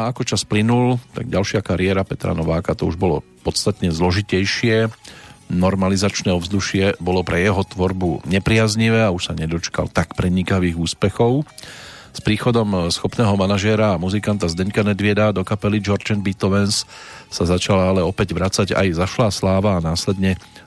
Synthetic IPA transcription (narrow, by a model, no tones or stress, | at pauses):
aakɔt͡ʃasplinult̪a̰ɡ̚ɟalʃɪakaɾiɛɾapɛt̪ɾa̰nɔʋaːkat̪ɔṵʒbɔlɔ̰ | pɔt̪st̪at̪ɲɛzlɔʒicɛjʃɪɛ | nɔɾmalizat͡ʃnɛːɔvzd̪uʃɪɛbɔlɔpɾʔɛjɛɦɔt̪ʋɔɾbuɲɛpɾɪazɲiʋɛːauʃsaɲɛd̪ɔt͡ʃka̰lt̪akpɾɛɲikaʋiːɣuːspɛxɔʊ | spɾiːxɔd̪ɔmsxɔpnɛːɦɔmanaʒɪɛɾaːmuzikant̪azd̪ɛɲkanɛd̪ʋɪɛd̪ad̪ɔkapɛlid͡ʒɔɾd͡ʒɛnbit̪ɔʋɛnssazat͡ʃalalɛɔpɛɟʋɾat͡saɟa̰jzaʃlaslaːʋaːnaːslɛd̪ɲɛ